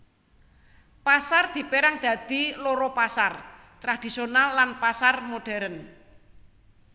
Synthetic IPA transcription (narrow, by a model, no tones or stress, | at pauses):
pasard̪̥i̤peɾaŋd̪̥ä̤d̪̥i̤loɾɔpasar | t̪ɾad̪̥i̤sionalːanpasarmoɖ̥ɛɾən